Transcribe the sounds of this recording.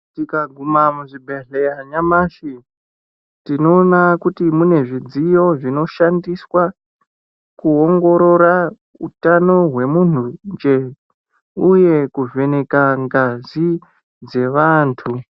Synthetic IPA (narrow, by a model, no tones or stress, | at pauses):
tikaɡʱumamuʐibʱeɮejaɲamaʂi | tino̞ːnakutimune̞ʐid͡zijo̞ʐino̞ʃandiswa | kuoŋɡo̞ɾo̞ɾa | utano̞ɦwe̞mun̤und͡ʒe̞ | uje̞kuve̞ne̞kaŋɡazi | d͡ze̞ʋaːntʰu